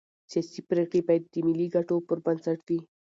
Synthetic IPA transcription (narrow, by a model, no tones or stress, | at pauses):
sijasipɾekɽibajad̪ːəmiliɡaʈopəɾbansaʈd̪i